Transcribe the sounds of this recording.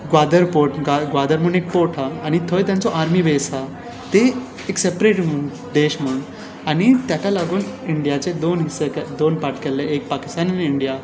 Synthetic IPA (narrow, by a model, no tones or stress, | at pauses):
ɡad̪əɾpoɾʈɡaɡʋad̪əɾmuɳek̚poɾʈʰaːñit̪ʰojt̪jãnt͡sɔʔaɾmiʋesa | t̪eː | ksepɾeʈm̤əɳ | d̪eɕm̤əɳ | aɽ̃it̪jat̪ʰalaɡuːniɳɖijat͡sed̪onɦisəkɛd̪onpaɾʈkeleek̚paki̥st̪anniɳɖija